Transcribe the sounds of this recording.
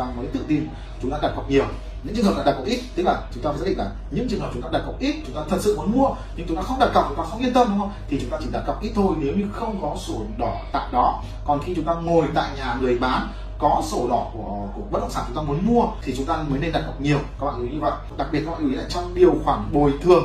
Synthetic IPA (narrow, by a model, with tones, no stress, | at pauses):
aː˧məː˨˦jt̪ɨ̰˧˨ŋt̪i˧n | t͡ɕʊ˨˦ŋ͡mt̪aː˧ɗa˨˩t̚ka˨˩k͡p̚ɲi˨˩əw | ɲɨ̰˧˥ŋt͡ɕɨ̰˧˨ɦə˨˩ɗ̰aː˧ɗ̚ka˨˩w̚ʔi˦˥t̚t̪ɨ˦˥k̚laː˨˩t͡ɕʊ˨˦ŋ͡mtaː˧a˧˩˨ɗ̰laː˨˩ɲɨ̰˧˥ŋt͡ɕɨ˧˨ŋhə˨˩t͡ɕʊ˨˦ŋ͡mt̪aː˧a˨˩ka˨˩k͡p̚ʔi˦˥t̚t͡ɕʊ˨˦ŋ͡mt̪aː˧t̪ʰə˨˩t̚sɨ̰˧˨mu˨˦ənmu˧ə | ɲɨ̰˧ŋt͡ɕʊ˨˦ŋ͡mt̪aː˧xə˧ŋ͡mɗa˨˩t̚ka˨˩w̚k͡p̚t͡ɕŋ͡mt̪aː˧˩sɔ˨˦li˧ənt̪ə˧mɗŋ͡mhwt̪ʰi˨˩t͡ɕʊ˨˦ŋ͡mt̪aː˧t͡ɕi˧˩ɗa˨˩t̚kwk͡p̚ʔi˦˥t̚t̪ʰo˧jne˨˦wɲɨ˧xə˧wŋ͡mkɔ˨˦so˧˩ɗɔ˧˩t̪a̰ː˧˨jɗɔ˨˦ | kɔ˨˩nxi˧t͡ɕʊ˨˦ŋ͡mt̪aː˧ŋo˨˩jt̪a̰ː˧˨jɲaː˨˩ŋɨ˨˩əjɓaː˨˦n | kɔ˨˦so˧˩ɗɔ˧˩ku˧˩əku˧˩əɓə˦˥t̚ɗə̰˧˨ŋ͡maː˧˩˨t͡ɕʊ˨˦ŋ͡mt̪aː˧mu˨˦ənmu˧ət̪ʰi˨˩t͡ɕʊ˨˦ŋ͡mt̪aː˧məː˨˦jne˧nɗa˨˩t̚ka˨˩k͡p̚ɲi˨˩əwka˦˥kɓa̰ː˧˨˧i˨˦ɲɨ˧və̰˧˨jɗa˨˩k̚ɓi˨˩ət̚ːɔ˧˨˧i˨˧˦aː˧˨jt͡ɕɔ˧wŋ͡mɗi˨˩əwxwaː˧˩ŋɓo˨˩jt̪ʰɨ˨˩əŋ